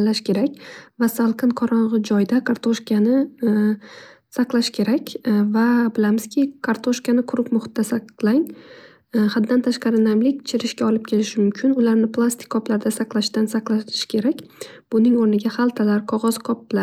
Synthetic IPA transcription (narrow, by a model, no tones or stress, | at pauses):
llːaʃkʲʰe̞ɾakʲvasalˠqʰɨnqʰɒɾɒɴʁɨd͡ʒɒjd̪akʰaɾt̪ʰoʃkʲanɪ | saqlˠaʃkʲʰe̞ɾakʲvabɪlamɪz̥kʲʰɪkʰaɾt̪ʰoʃkʲanɪqʰʊɾʊpmʊχʊ̥t̪̚ːasaqlˠaŋ | had̪ːant̪ʰaʃqɑɾɪnajmlɪkʲt͡ʃʰɪɾɪʃkʲaɒlˠɪp̚kʲʰe̞lɪʃɪmʊmkʲʰɪnʊlaɾnɪplˠast̪ʰɪ̥kʰːɒplaɾd̪asaqlˠaʃd̪ansaqlˠaɪ̥ʃkʲʰe̞ɾakʲb̥ʊnɪŋoɾnɪɡʲahalˠt̪ʰalaɾqʰɒʁɒz̥qʰɒpla